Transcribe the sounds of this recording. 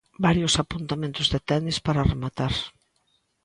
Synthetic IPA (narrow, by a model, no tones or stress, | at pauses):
baɾjʊsapunt̪amẽnt̪ʊzðet̪ɛnispaɾaremat̪aɾ